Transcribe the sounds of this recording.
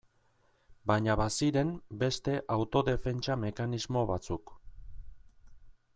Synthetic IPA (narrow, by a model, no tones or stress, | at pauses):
baɲaβasiɾe̞mbe̞st̪e̞ʔawt̪o̞ðe̞fe̞nt͡ʃame̞kanizmo̞βat͡suk